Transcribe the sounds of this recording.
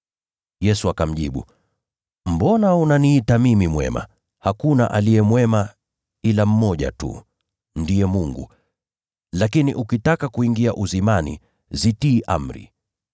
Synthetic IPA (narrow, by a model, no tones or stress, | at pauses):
jɛsuakam̩ʄḭɓṵ | m̩bɔnaunaniitamimimwɛ̰ma̰ | hakunaʔalijɛmwɛma | ilam̩mɔʄa̰tṵ | ndiɛmuŋɡṵ | lakiniʔukitakakuiŋɡiaʔuzimanḭ | zitiːʔa̰m̩ɾḭ